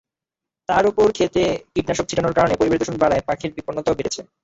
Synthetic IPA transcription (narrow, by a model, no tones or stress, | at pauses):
t̪aɾopoɾkʰet̪ekiʈnaʃok̚t͡ɕʰiʈanoɾkaɾonepoɾibʱeɾid̪oʃunbaɽaepakʰeɾbiponːot̪aobeɾet͡ɕʰe